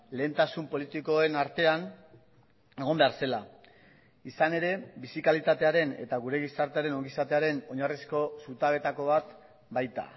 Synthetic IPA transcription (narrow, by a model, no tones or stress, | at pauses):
le̞ːnt̪asumpo̞lit̪ikoe̞naɾt̪e̞an | e̞ɣ̞o̞mbeaɾse̞la | isane̞ɾe̞bisikalit̪at̪e̞aɾe̞ne̞̰t̪aɣuɾe̞ɣ̞isaɾt̪eaɾe̞no̞ŋɡisat̪eaɾe̞no̞ɲarisko̞sut̪aβ̞e̞t̪ako̞β̞at̪ | bajt̪a̰